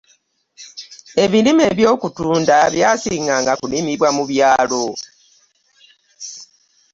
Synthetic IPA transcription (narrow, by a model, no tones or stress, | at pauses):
e̞βilime̞βjo̞ːkutuːndaβjaːsiːŋɡaŋɡakunimiβwamuβjaːlo̞